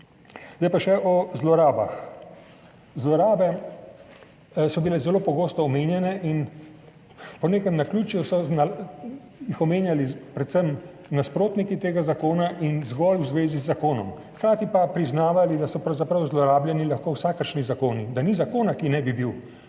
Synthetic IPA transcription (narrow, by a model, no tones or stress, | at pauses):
zd̪ajpaʃɛʔɔzlɔɾaːba̰x | zlɔɾaːbɛ | sɔbilɛzɛloːpɔɡoːst̪ɔːmeːnjɛnɛʔin | pɔneːkɛmnakluːt͡ʃjusɔna | jixɔmeːnjalipɾɛt̪səm | naspɾoːt̪nikit̪eːɡazakoːnaʔinzɡɔlwzʋeːzizːakoːnɔmxkɾaːt̪ipapɾiznaːʋalid̪asɔpɾɐwzapɾɐwzlɔɾaːbljɛnilaxkoːwsaːkəɾʃnizakoːnid̪anizakoːnakinɛbibiw